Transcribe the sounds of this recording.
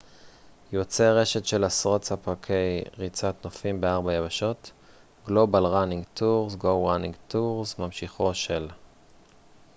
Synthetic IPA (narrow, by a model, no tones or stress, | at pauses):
jo̞t͡seʁe̞ʃetʃe̞lasʁo̞t͡sapakʰe̞jʁit͡sat̪nofimbeaʁbajavaʃo̞t | ɡlo̞balʁaniŋɡtʰuʁzɡowʁaniŋɡtuʁzmamʃiχo̞ʃel